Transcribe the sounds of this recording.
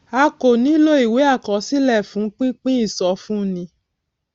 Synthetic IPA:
a˧ko˨nĩ˨˦lo˦i˦˨we˨˦a˦˨kɔ˨˦si˦lɛ˦˨fũ˨˦k͡pĩ˦k͡pĩ˦i˦˨sɔ˨˦fũ˦˨nĩ˧˦

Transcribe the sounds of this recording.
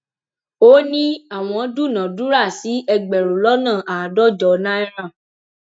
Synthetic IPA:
o˦nĩ˦a˦˨w̃ɔ̃˧˦du˦˨nã˨du˦ɾa˦˨si˨˦ɛ˧ɡ͡bɛ˨ɾo˨lɔ˦nã˦˨ʔa˨dɔ˦˨d͡ʒɔ˨nã˦ɛ˦ɾ̃ã˦˨

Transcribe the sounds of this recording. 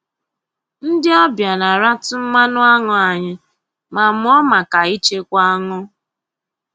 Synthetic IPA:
n̩˦dɪ˦ɔ˦bja˨na˨ɾa˦tʊ˦m̩˦ma˦nʊ˦a˦ŋʊ˨a˨ɲɪ˦ | ma˨m̩˦ɔ˦ma˨ka˨i˦t͡ʃe˦kʷa˦a˦ŋʊ˦

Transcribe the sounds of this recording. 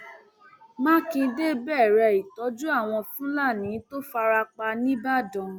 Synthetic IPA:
mã˦kĩ˧de˦bɛ˦˨ɾɛ˧˨i˨tɔ˨˦d͡ʒu˦a˦˨w̃ɔ̃˧fũ˦la˦˨nĩ˨˦to˦fa˧ɾa˧k͡pa˧nĩ˦ba˦dɔ̃˨

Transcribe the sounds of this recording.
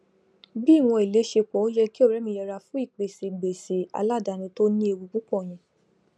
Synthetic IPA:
bi˦˨w̃ɔ̃˧i˨le˨˦ʃe˧k͡pɔ˨˦o˦jɛ˧ki˦o˦˨ɾɛ˨˦mĩ˧jɛ˧ɾa˧fũ˨˦i˦˨k͡pe˨se˨ɡ͡be˨se˨˦a̰˧la˦˨da˨˧nĩ˧to˦nĩ˦e˧wu˧k͡pu˦k͡pɔ̃˦˨j̃ɛ̃˨

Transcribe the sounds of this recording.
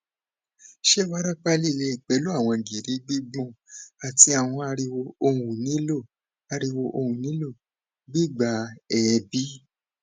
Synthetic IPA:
ʃe˦˨wa˦ɾa˦k͡pa˦li˦˨le˧i˨k͡pɛ˨˦lo˦a˦˨w̃ɔ̃˧˨d͡ʒi˨ɾi˨˧˦ɡ͡bi˦ɡ͡bũ˦˨a˨ti˧˦a˨w̃ɔ̃˧a˧ɾi˧wo˧o˧wũ˨nĩ˨˦lo˦˨ | a˧ɾi˧wo˧ʔo˧hũ˨nĩ˨˦lo˦˨ | ɡ͡bi˦ɡ͡ba˨˧˦ɛ˨˧bi˦

